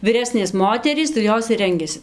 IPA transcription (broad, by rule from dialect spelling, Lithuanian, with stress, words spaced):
ʋʲɪˈrʲæːsʲnʲeːs ˈmoːtʲɛrʲiːs tɐɪ ˈjoːs ɪr ˈrʲɛŋʲɡʲɛsʲɪ